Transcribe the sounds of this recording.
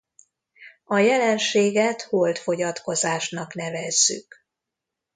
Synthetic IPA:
ɒjɛlɛnʃeːɡɛt̪holt̪fo̞ɟɒt̪ko̞zaːʃnɒknɛvɛzːy̰k

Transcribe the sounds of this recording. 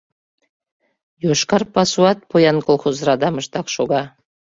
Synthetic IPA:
joʃkɑrpɑsuɑt̪̚pʰojɑnkolˠχozɾɑd̪ɑməʃt̪ɑkʃoɡɑ

